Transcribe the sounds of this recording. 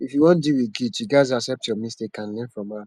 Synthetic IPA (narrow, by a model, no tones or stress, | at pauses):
ifjuwɔ̃ndiwiɡitjiɡazasɛp̚tjɔmistekãnlɛ̃nfɹɔ̃ma